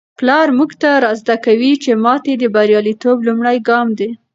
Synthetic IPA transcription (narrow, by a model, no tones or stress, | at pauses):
plɑɾmuɡt̪aɾɑzd̪akawit͡ʃemɑt̪ed̪əbaɾjɑlit̪oblumɽajɡɑmd̪e